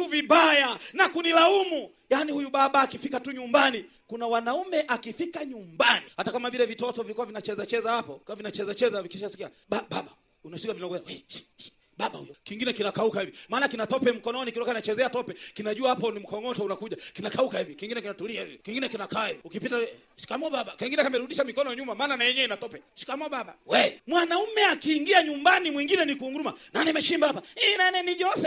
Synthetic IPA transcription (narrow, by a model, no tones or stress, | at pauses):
tuviɓajanakunilaumu | janihujuɓaɓaːkifikatuɲumbani | kunawanaumɛʔakifikaɲumbanihatakamavilɛvitɔtɔvilikuwavinat͡ʃɛzat͡ʃɛzahapɔkamavinat͡ʃɛzat͡ʃɛzavikiʃasi̥kia | ɓaɓaɓa | unasikavinawɛnawɛ̥ | ɓaɓa̰hṵjɔkiŋɡinɛkinakaukahivimaːnakinatɔpɛm̩kɔnɔnikitɔkainat͡ʃɛzɛatɔpɛkinaʄuahapɔnim̩kɔŋɔtaunakuʄakinakaukahivikiŋɡinɛkinatuliahivḭkiŋɡinɛkinakaaiviukipita | ʃi̥kamɔɓaɓakiŋɡinɛkamɛɾuɗiʃamikɔnɔaɲumamaːnanaɛɲɛinatɔpɛʃi̥kamɔɓaɓa̰wɛmwanaumɛakiːŋɡiaɲumbanimwiŋɡinɛnikuːŋɡumananɛmɛʃimbahapainanɛniʄɔsɛ